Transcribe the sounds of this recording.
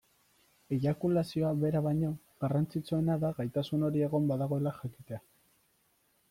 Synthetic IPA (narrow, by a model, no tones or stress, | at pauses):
eʝakulasio̞aβe̞ɾaβajɲo̞ | ɣ̥arant͡sit͡soe̞naðaɣajt̪asuno̞ɾie̞ɣ̞o̞mbaðaɣo̞e̞laxakit̪e̞a